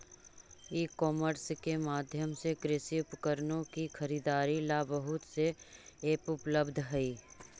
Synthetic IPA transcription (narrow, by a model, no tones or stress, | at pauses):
iːkɔːməɾskemaːd̪ʱjəmsekɾɪsiʊpkəɾnõkixʰəɾiːd̪aːɾilaːbəɦʊt̪seː | kʊpləbd̪ʱɦɛiː